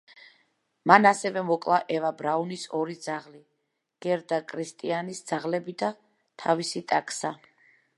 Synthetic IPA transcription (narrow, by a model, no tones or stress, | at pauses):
manasɛvɛmɔkʼlˠaʔɛvabɾaunisɔɾid̪zaʁli | ɡ̥ɛɾd̪akʼɾist̪ʼianisd̪z̥aʁlɛbid̪a | t̪ʰavisit̪ʼakʼsa